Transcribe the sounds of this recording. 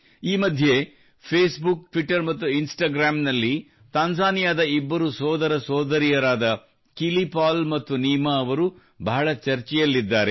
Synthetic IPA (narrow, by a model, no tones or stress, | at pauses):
iːmɐd̪ʱje | pʰeːsbukʈʋiʈːɐɾmɐt̪ːuinsʈaːɡɾaːmnɐlːi | t̪aːnsaːnijaːd̪ɐibːɐɾusɔːd̪ɐɾɐsɔːd̪ɐɾijɐɾaːd̪ɐ | kilipaːlmɐt̪ːuniːmaːʋɐɾu | bʱaːɭɐt͡ʃɐɾt͡ʃɛjɐlːid̪ːaːɾe